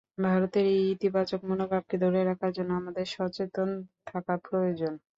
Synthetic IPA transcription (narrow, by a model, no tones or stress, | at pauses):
bʱaɾot̪eɾejit̪ibat͡ɕok̚monobab̚ked̪ʱoɾeɾakʰaɾd͡ʑonːoamad̪eɾʃɔt͡ɕet̪ont̪ʰakapɾojod͡ʑon